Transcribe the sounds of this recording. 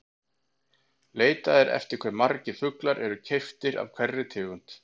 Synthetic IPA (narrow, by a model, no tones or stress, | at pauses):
leːjt̪aðɪɾɛ̰ft̪ɪɾ̥kʰvɛɾmaɾcɪ̥fʏklaɾʔɛɾʏcʰejft̪ɪɾa̰vkʰvɛrːɪt̪ʰɪːɣʏn̥t̪